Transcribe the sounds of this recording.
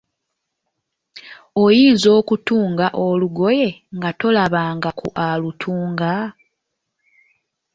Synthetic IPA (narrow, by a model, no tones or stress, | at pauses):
o̞jiːnzo̞ːkutuːŋɡaʔoluɡo̞je̞ŋɡato̞laβaːŋɡakʰṵʔalutʰuːŋɡa